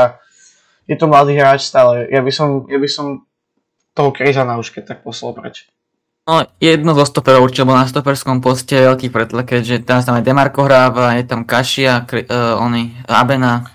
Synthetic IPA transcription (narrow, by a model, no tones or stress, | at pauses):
a | jɛt̪ɔmlad̪iːɦɾaːt͡ʃst̪aːlɛjabisɔmjabisɔm | t̪ɔɦɔkɾizanauʃkɛc̚t̪ak̚pɔslˠa̰lˠpɾɛ̰t͡ʃɛ̥ | nɔjɛd̪̚nɔzɔst̪ɔpɛɾɔuɾt͡ʃibɔnast̪ɔpɛɾskɔmpɔscɛɛʋɛlkiːpɾɛt̪lakɛɟʒɛt̪ɛɾas̬t̪amajd̪ɛmaɾkɔɦɾaːʋajɛt̪amkaʃiakɾiɔnia̰bɛna